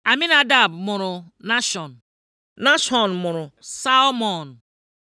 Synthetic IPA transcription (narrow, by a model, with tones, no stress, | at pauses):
a˨mi˦na˦da˨bmʊ˨ɾʊ˨na˦ʃɔ˨n˨ | na˦ʃɔ˨nmʊ˨ɾʊ˨sa˦lmɔ˨n˨